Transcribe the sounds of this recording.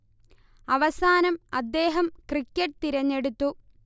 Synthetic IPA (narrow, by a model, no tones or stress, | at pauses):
ɐʋɐsaːnɐmɐd̪ːe̞ːɦɐmkrikʲːɐʈ̚ːt̪iɾɐɲːe̞ɽut̪ːu